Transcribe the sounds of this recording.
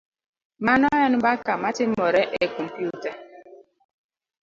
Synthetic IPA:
manɔɛnbakamatimɔɾɛʔekɔm̩pjuta

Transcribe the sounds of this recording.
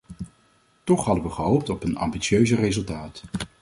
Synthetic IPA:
tɔχɦɑdəʋəχəɦowp̚tɔpənɑ̰mbitsjøɥzərezɵlˠtaːt

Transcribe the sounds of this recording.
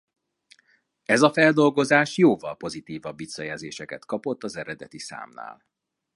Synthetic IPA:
ɛzɒfɛld̪o̞lɡo̞zaːʃjoːvɒlpo̞zit̪iːvɒbːit̪sɒjɛlzḛːʃɛkɛt̪kɒpo̞t̪ːɒzɛɾɛd̪ɛt̪isa̰ːmna̰ːl

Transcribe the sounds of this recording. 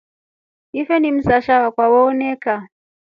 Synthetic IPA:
ifɛnim̩saʃawakwawɔːnɛka

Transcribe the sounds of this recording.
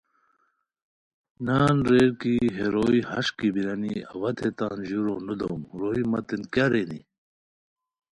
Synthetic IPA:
naːnɾeːɾkiɦeɾoːihɐʂkibiɾɐniɐ̰wɐt̪ʰet̪aːnʑuɾonud̪owmɾoːimɐt̪inkjaɾenḭ

